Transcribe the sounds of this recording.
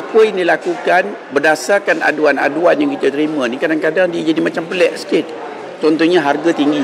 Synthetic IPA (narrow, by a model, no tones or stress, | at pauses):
apəjndilakukan | bərdasarkana̰duana̰duanjaŋkit̪ət̪əɾimə̃nĩkadaŋkadaŋdiad͡ʒadimat͡ʃampəlɛʔsə̥kɪt̪̚ | t͡ʃɔnt̪ɔɲãɦarɡat̪iŋɡi